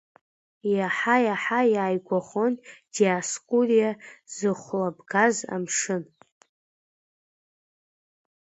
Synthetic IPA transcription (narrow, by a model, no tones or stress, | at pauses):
jaħajaħajaːjɡʷaχond̥iaskʷʼurijazɨχʷlabɡaza̰mʂɨn